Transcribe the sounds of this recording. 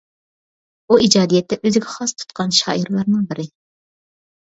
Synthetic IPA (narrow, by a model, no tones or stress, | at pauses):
uid͡ʒɑːd̪ijɛt̪ːɛʔøzɪɡʲɛχɑst̪ʰu̥t̪qʰɑnʃɑ̰ːiɾlˠɑɾnɨŋbɪɾɪ